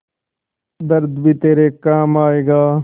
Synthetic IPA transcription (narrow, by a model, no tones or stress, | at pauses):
d̪əɾd̪bʱiːt̪eːɾeːkaːmaːeːɡaː